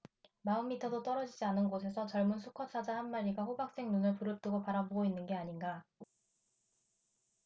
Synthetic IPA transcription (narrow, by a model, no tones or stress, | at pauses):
maɯmːitʰʌdot͈ʌɾʌd͡ʑid͡ʑianɯnɡosʰe̞sʰʌt͡ɕʌɭmunsʰukʰʌt͡ɕʰad͡ʑahanmaɾiɡaɸobak̚s͈e̞ŋnunɯɭpuɾɯp̚t͈ɯɡopaɾaboɡoinːɯnɡe̞aɲinɡa